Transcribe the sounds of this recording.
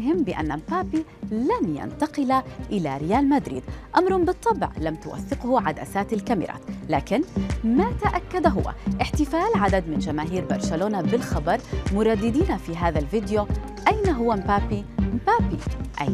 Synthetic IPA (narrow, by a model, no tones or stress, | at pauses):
hɪmːbɪʔa̰nːampaːpilanja̰nt̪ɑqɪlaʔɪla̰ɾɪjaːlmad̪ɾḭːd̪ʔamɾˤhʊmbɨt̪ˤːɑbʕlamt̪ʊwa̰θːɪqhʊʕad̪a̰saːt̪alkamɪ̰ɾˤɑ̰ːt̪laːkɪnmat̪aʔakːad̪ɦʊwːa̰ʔɪħt̪ɪfaːlʕad̪ad̪mɪnd͡ʒamaːɦiːɾbɑ̰ɾˤʃaloːnabɪlxɑbɑɾˤmʊɾˤɑd̪ːɪd̪iːnafiɦaːðalvɪd̪jo | ʔajnaɦʊwːampaːpimpaːpḭʔa̰j